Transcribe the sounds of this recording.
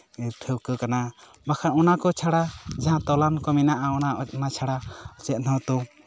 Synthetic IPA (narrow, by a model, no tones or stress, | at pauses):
iɾʈʰəwkəkana | bakʰanɔnakɔt͡ʃʰaɽad͡ʒaɦãt̪ɔlankɔminaʔaɔnanat͡ʃʰaɽaɔt͡ʃɛt̪̚nɔt̪u